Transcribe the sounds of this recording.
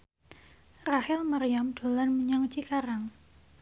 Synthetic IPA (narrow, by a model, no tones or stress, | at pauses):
rahɪlmarijamɖ̥o̤lanməɲaŋt͡ʃikaɾaŋ